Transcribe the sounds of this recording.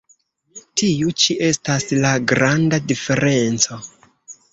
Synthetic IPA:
tiut͡ʃiʔe̞staslaɡɾandadife̞ɾe̞nt͡so̞

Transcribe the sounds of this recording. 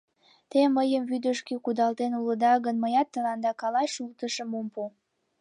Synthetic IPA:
t̪eməjəmβyd̪əʃkekud̪ɑlt̪enuləd̪ɑɣənməjɑt̪ːəlɑnd̪ɑkɑlɑjʃult̪əʃəmompu

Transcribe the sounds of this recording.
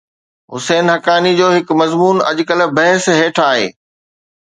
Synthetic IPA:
ɦʊseːnɦɐkaːnid͡ʑoːɦɪkmɐzmuːnɐ̰ʄkəl̆bɐɦɪsɦeːʈʰaːɦḛː

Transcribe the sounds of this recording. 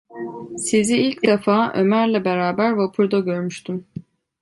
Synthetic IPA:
siziilʲcd̪efaːʔø̰mæɾlʲɛbeɾaːbæɾvapʰuɾd̪aɟøɾmyʃt̪ʰym

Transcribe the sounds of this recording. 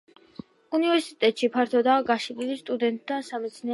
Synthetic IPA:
univɛɾsit̪ʼɛt̪ʼʃipʰaɾt̪ʰɔd̪aːɡaʃililist̪ʼud̪ɛnt̪̚ʼd̪asamɛt̪sʰniɛ

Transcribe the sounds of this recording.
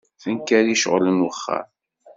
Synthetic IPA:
θənkæɾiʃʁlənwəχːa̰ɾ

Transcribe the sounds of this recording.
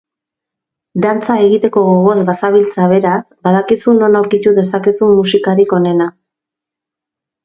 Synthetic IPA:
d̪ant͡sae̞ɣit̪e̞ko̞ɣoɣo̞zβasaβilt͡saβ̞e̞ɾasbað̞akisuno̞nawɾkit̪uðe̞sakisumusikaɾiko̞ne̞na

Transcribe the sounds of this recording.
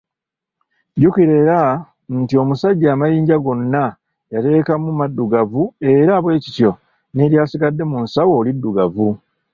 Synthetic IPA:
ɟukiɾe̞ɾa | ntio̞musaɟːaːmajiːɲɟaɡo̞nːa | jate̞ːkamumadːuɡavue̞ɾaβwe̞ːcitjo̞ | neɾjaːsiɡadːe̞munsawo̞ːlidːuɡavu

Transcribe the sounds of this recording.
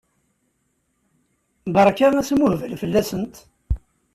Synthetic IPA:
bɑɾˤkaæsmʊhvəlfəlːæsənt̪

